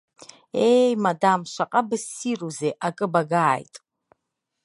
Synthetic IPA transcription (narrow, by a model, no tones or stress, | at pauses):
ejmadamʃʷaqʼabɨsiruzeʔakʼɨbaɡaːjtʼ